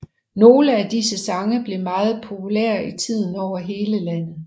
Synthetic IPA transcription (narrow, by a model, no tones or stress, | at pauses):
no̝ːləæd̥isəsɑ̈ŋəb̥le̝mɑ̈ːð̞̩ˠpʰo̝pʰulɛːɐ̰it͡sʰið̰ˠn̩ɒʊɐɦe̝ːləlæn̰ð̩ˠ